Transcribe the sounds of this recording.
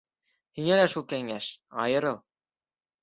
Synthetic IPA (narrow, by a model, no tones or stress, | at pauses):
hiŋælæʃulˠkæŋæʃɑ̰jɤ̆ɾɤlˠ